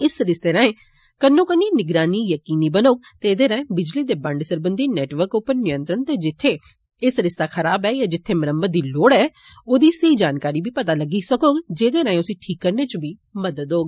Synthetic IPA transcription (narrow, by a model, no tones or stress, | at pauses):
ɪsɾɪst̪eːɾə̃ːẽː | kənːõːkənːiːnɪɡɾaːniːjəkiːniːbənoːɡt̪eːd̪eːɾãːẽːbɪd͡ʒliːd̪eːbəɳɖsəɾbənd̪iːnɛːʈʋəɾkʊpːəɾnɪjə̃nt̪ɾəɳt̪eːd͡ʒɪt̪ʰːeː | ɪsɾɪst̪aːkʰəɾaːbɛːjaːd͡ʒɪt̪ʰːeːməɾəmbəd̪iːloːɽɛː | oːd̪iːseiːd͡ʒaːnkaːɾiːbiːpət̪aːləɡiːsəkoːɡd͡ʒeːd̪eːɾə̃ːẽʊsĩːʈʰiːkːəɾneːt͡ʃbʱiː | məd̪əd̪ɦoːɡː